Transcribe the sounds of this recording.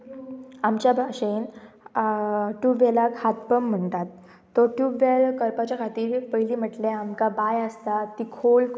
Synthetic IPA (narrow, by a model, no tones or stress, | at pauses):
amt͡ɕjabʱaɕen | ʈuʋelakhat̪pəm̤ːəɳt̪at̪ː | ɔʈuʋaɭkəɾpat͡ɕjakʰat̪iːɾpəjliːm̤əʈleamkabajəst̪at̪ːikʰol